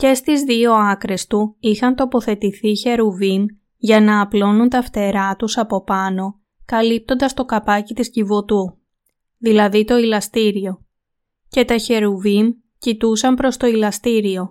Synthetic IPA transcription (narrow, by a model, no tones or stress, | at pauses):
ce̞st̪izðio̞ɐkɾe̞st̪uixɐnt̪o̞po̞θe̞t̪iθiçe̞ɾuvin | ʝɐnɐːplo̞nunt̪ɐft̪e̞ɾɐt̪usɐpo̞pɐno̞ | kɐlip̚t̪o̞nd̪ɐst̪o̞kɐpɐcit̪iscivot̪u | ðilɐðit̪o̞ilɐst̪iɾio̞ | ce̞t̪ɐçe̞ɾuvim | cit̪usɐmpɾo̞st̪o̞ilɐst̪iɾio̞